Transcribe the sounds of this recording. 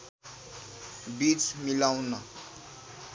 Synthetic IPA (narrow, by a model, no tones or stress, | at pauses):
bit͡smilaw̃nʌ